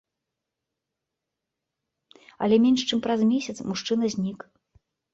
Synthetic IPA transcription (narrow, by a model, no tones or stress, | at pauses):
ɐ̰lʲɛmʲɛnʂt͡ʂɨmpɾɐzmʲesʲɐt̪smuʂt͡ʂɨnɐzʲnʲik